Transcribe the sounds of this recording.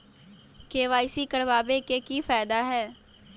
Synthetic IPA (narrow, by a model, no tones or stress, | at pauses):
keːʋaːɪsikəɾbaːbekekifaːd̪aɦɛː